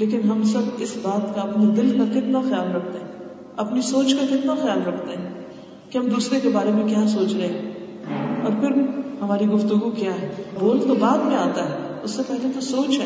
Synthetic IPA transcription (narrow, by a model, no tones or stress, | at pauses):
leːk̬ɪnɦɐmsɐbɪsbaːt̪kaɐpned̪ɪlkakɪt̪naxɐjaːlɾɐkʰt̪eɦɛ̃ː | ɐpnisoːt͡ʃkakɪt̪naxɐjaːlɾɐkʰt̪eɦɛ̃ | keɦɐmd̪uːsɾekebaːɾemẽkjaːs̬oːt͡ʃɾɐɦẽɦ | ɔːɾpʰɪɾɦɐmaːɾiɡʊft̪uɡukjaːɦɛːboːlt̪obaːd̪mẽaːt̪aɦɛʊsːepɛɦlet̪osoːt͡ʃɦɛ